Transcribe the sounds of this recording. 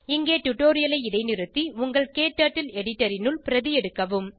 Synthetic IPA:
ɪŋɡeːʈʊʈːoːɾɪjɐlɐɪɪɽɐɪnɪɾɯt̪ːiʊŋɡɐɭkeːʈːaːʈːɪlɛɽɪʈːɐɾɪnɯlpɪɾɐðɪjɛɽɯkːɐʋɯm

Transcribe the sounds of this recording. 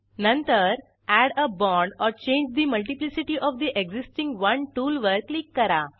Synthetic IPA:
nə̃nt̪əɾ | æɽəbɔ̃ɳɖɔːɾt͡ɕẽːɲd͡ʒd̪iməlʈiplisiʈiʔɔʋd̪iʔeɡzisʈĩŋɡʋɐ̃nʈuːlʋəɾklikːəɾa

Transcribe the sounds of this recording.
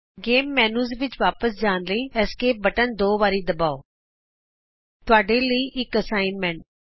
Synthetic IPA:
ɡeːmːɛːnuːzʋɪt͡ʃʋaːpəsd͡ʒaːnləĩːɛːskeːbəʈənd̪oːʋaːɾiːd̪əbaːoː | t̪ʊaːɖeːləiːʔɪkəsaːɪnmɛ̃ɳʈ̚

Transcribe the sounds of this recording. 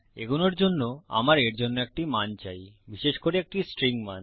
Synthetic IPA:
ḛɡunoɾd͡ʑonːoa̰maɾeɾd͡ʑonːoek̚ʈimant͡ɕajbiʃeʃkoɾeek̚ʈisʈɾiŋman

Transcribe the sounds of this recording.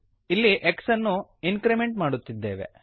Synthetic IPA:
ilːiʔeksɐnːuinkɾime̞ɳʈmaːɽut̪ːid̪ːeːʋe̞̰

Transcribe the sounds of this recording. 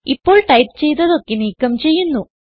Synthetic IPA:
ipːo̞ːɭʈɐjpt͡ɕe̞jt̪ːɐðo̞kːeniːkːɐmt͡ɕe̞jːunːu

